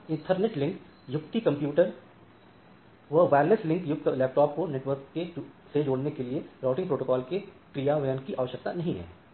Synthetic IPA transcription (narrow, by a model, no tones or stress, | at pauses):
ɪ̃nʈʰəɾneʈlɪ̃ŋk | jʊkt̪ikɐ̃mpjuːʈəɾ | ʋɐʋɛːɾleslɪ̃ŋkjʊk̚t̪lɛːp̚ʈɔːp̚koneʈʋəɾkːesed͡ʒoːɽnekelieɾaːʈɪ̃ŋɡpɾoːʈokɔːlke | kɾijaʋɐjənkiʔaːʋəʃək̚t̪anɐɦĩɦɛ̰ː